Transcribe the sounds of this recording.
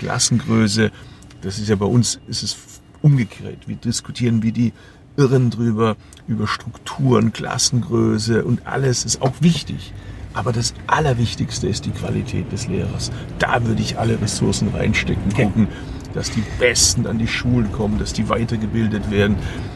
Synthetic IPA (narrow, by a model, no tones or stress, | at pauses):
kla̰sn̩ɡʁøːsə | d̥asɪstjaːbaɪʔʊnsɪstɛs | ʔʊmɡəkʰeːɐtv̥iːɐdɪsku̥tʰiːʁ̞ənviːɐdiː | ʔɪʁəndʁyːbɐ | ʔyːbɐʃtʁ̥ʊktʰuːʁənkl̥a̰sn̩ɡʁøːsəʔʊntʔa̰ləsɪsta̰ʊxv̥ɪçtɪ̰çʔaːbɐdasʔalɐvɪçtɪçstəɪstd̥iːkv̥a̰litʰɛ̰ːt̚d̥ɛslḛːʁɐ̰sd̥a̰ːvʏɐdəɪçʔaləʁɛsʊɐsn̩ʁa̰ɪnʃtɛkŋ̩ɡʊkŋ̩ | d̥asd̥iːb̥ɛstn̩andiːʃuːlənkʰɔmənd̥asd̥iːvaɪtɐɡəbɪldətv̥eːɐdn̩